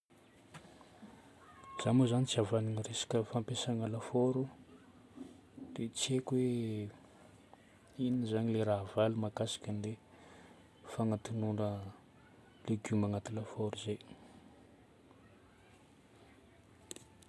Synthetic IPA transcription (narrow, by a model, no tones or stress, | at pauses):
z̥amozanit͡siavaniŋəresḁkəfampesaŋəlafoɾu | d̪̥et͡sekwe | inizaɲileɾaɦvalimakasḁkənle | faŋat̪unuɳə | leɡumaŋat̪ilafoɾuze